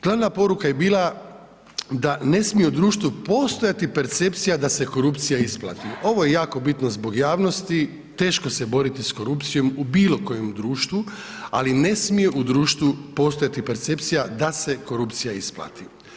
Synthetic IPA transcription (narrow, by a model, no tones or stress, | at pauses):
ɡ̥lˠaʋnapo̞ɾukaje̞biːlˠa | d̪ane̞smijeud̪ɾuːʃt̪ʋupo̞ːst̪o̞jat̪ipe̞ɾt̪se̞pt̪sijad̪ase̞ko̞ɾupt̪sijaisplˠa̰ːt̪io̞ʋojejaːko̞bit̪nozbo̞ɡjaːʋno̞st̪i | t̪e̞ːʃko̞sebo̞ɾit̪isko̞ɾupt̪sijo̞mubiːlˠo̞ko̞jemd̪ɾuːʃt̪ʋu | a̰line̞smije̞ʔud̪ɾuːʃt̪ʋupo̞st̪o̞jat̪ipe̞ɾt̪se̞pt̪sijad̪ase̞ko̞ɾupt̪sijaisplˠa̰t̪i